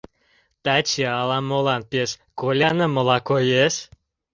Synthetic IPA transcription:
t̪æt͡ɕeɑlɑmolɑnpeʃkolʲanəməlɑkojeʃ

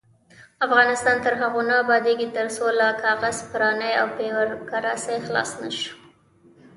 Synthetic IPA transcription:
afɣɑnɪst̪ɑnt̪əɾɦaɣunɑbɑd̪eɡit̪əɾsolakɑɣazpɾɑnəjawpewaɾkaɾasajxlɑ̰snaʃu̥

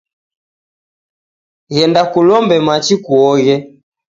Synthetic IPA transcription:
ɣɛndakulɔmbɛmat͡ʃikuɔɣɛ

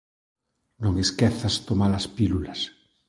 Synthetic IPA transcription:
nõŋeskeθast̪omalaspilulas

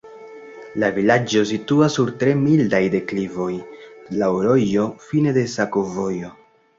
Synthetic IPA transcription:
lavilad͡ʒo̞s̬ituasːuɾtɾe̞mildajde̞klivo̞jlaoɾo̞jo̞fine̞de̞sakovo̞jo̞

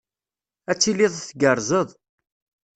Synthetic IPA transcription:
æt͡sːilɪðˤθɡəɾˤzˤəðˤ

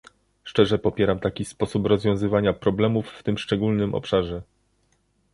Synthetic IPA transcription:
ʂt͡ʂɛʐɛpɔpʲjɛɾamt̪akʲispɔsupɾɔzvʲjɔ̃w̃zɘvaɲapɾɔblɛmufːt̪ɘmʂt͡ʂɛɡulnɘmʔɔ̰pʂaʐɛ

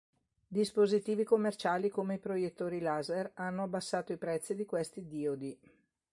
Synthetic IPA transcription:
d̪ispozit̪iːvikomːert͡ʃaːlikomeipɾojet̪ːoːɾilazeranːoabːasːaːt̪oipɾɛt̪sːid̪ikwest̪id̪iod̪i

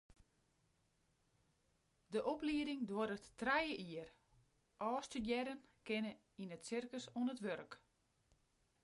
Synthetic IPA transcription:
dəʔɔpliədɪŋdwoəɾətːrɛjəʔiər | ʔɔːstydjɛɾənkɪnə | inətsɪrkəsoənətʋørk

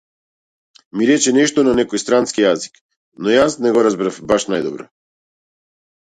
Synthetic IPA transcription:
miɾɛt͡ʃɛnɛʃt̪ɔnanɛkojst̪ɾanskijazik | nɔjasnɛɡɔɾazbɾafbaʃnajd̪ɔbɾɔ

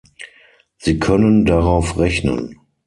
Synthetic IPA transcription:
z̥iːkʰœnəndaʁaʊfʁɛçnə̰n

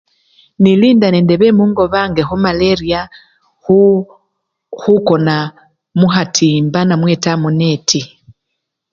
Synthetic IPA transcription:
niliːndanendeβemuŋɡoβaŋɡeɦumaleɾia | hu | hukona | muɦatʰiːmbanamwetamunetʰi

